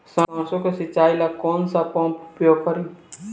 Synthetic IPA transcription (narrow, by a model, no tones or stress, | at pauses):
sããːsõkesit͡ʃaːilakɔːnsapɔ̃ːmpʊpɾjoɡ̚kəɾĩ